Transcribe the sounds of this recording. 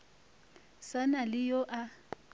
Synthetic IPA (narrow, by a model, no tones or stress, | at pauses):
sanalɪjɔʔa